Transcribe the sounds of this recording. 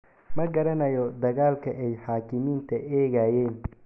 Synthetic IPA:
mɐɡɐɾɐnɐjɔd̪ɐɣaːlkʰɐʔɛjħaːkʰɪmiːnt̪ʰɐʔɛːɣajɛːn

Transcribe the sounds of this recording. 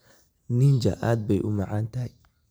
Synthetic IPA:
nɪnd͡ʒɐ̰ʔaːd̪̚bɛjʔʊmɑʕaːnt̪ɐɦj

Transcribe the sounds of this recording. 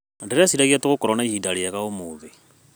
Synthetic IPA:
ndiɾasiɾaɣiatuɣukɔɾɔnaihidalijakaumuβi

